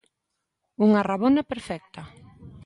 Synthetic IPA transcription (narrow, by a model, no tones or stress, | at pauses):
uŋaraβonapeɾfɛk̚t̪ɐ